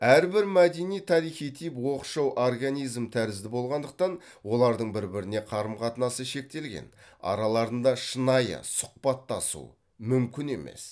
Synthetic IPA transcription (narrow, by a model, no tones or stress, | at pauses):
æɾbɪɾmæd̪enijt̪ʰɑɾijχijt̪ʰijpwo̞qʃɑwʔorɡanijzmt̪ʰæɾɪzd̪ɪbo̞lˠʁɑnd̪əq̚t̪ɑn | wo̞lˠɑɾd̪əɴbɪɾbɪɾɪne̞qʰɑɾəmqʰɑt̪ənɑsəʃe̞k̚t̪e̞lɡʲe̞̰nɑ̰ɾɑlˠɑɾənd̪ɑʃənɑjə̰sʊ̥q̚pɑt̪ːɑsṵ | mʏmkʲɪne̞me̞̰s